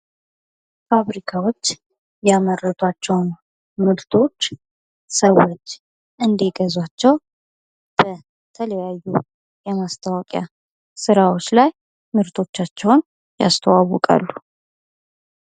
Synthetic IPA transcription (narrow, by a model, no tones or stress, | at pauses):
faβɾikʰawo̞t͡ʃː | jamərːət̪ʰwat͡ʃːɛwn | mɨɾt̪ʰo̞t͡ʃː | səwot͡ʃː | ʔɨnd̪eɡəzwat͡ʃːɛw | b̥ə | t̪ʰələjajːu | jɛmast̪ʰawɔkʼja | sɨɾawot͡ʃːlaj | mɨɾt̪ʰo̞t͡ʃːat͡ʃːɛwn | ja̰st̪ʰəwawɔkʼa̰lːu